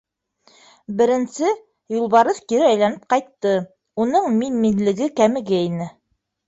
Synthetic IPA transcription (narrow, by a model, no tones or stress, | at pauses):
bɘ̆ɾɘ̆nsɘ | julˠβɑɾɤðkiɾɘæjlænɘp̚qɑjt̪ːɤ | unɤɴminminlɘ̆ɡɘkæmɘ̆ɡɘinɘ